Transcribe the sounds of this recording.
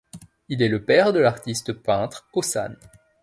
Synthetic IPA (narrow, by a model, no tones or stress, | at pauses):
ilɛləpɛʁd̪əlaʁt̪ist̪pɛ̃t̪χosa̰n